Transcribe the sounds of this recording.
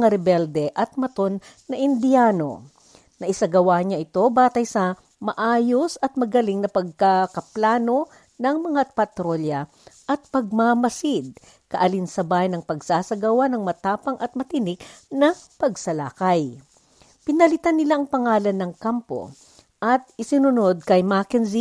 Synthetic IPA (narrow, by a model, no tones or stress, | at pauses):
ŋaɾɛbɛld̪ɛʔɐt̪̚mɐt̪o̞nː | ɐʔɪnd̪ɪaːno̞̰ | nɐʔɪsaɡɐwaɲaʔɪt̪o̞baːt̪ɐjsɐ | mɐʔaːjosɐt̪̚mɐɡɐlɪŋnɐpɐɡ̚kakɐplaːno̞ | nɐŋmɐŋapɐt̪ɾo̞ljɐ | ʔɐt̪̚pɐɡ̚mamɐsɪd̪̚ | kɐʔɐlinsɐbaːjnɐŋpɐɡsaːsɐɡɐwanɐŋmɐt̪aːpɐŋɐt̪̚mɐt̪ɪnɪk̚nɐpɐɡsɐla̰ːkɐj | pɪnɐlɪt̪anːɪlaʔɐŋpɐŋaːlɐnːɐŋkampo̞̰ | ʔɐt̪̚ʔɪsɪnʊno̞d̪̚kɐjmakɛnzi